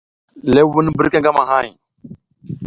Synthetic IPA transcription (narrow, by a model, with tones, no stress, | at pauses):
le˦wu˦n˦bə˦ɾke˦ŋɡa˦ma˨ɦa˦˨j